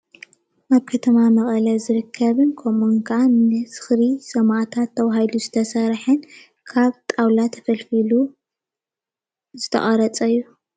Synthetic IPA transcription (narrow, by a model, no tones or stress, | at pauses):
ʔaβkʰɐt̪ʰɐmamɐχʼɐlɐzɨɾɨkʰːɐβɨnkʰomoŋkʰanɨsɨ̥xɾisɐmʔat̪ʰat̪ʰːɐwaɦajluzɨt̪ʰɐsɐɾħɨn | kʰaβt̪ʼawlat̪ʰɐfɐlfilu | zɨt̪ʰɐ̰χʼɐɾɐt͡sʼɐjːu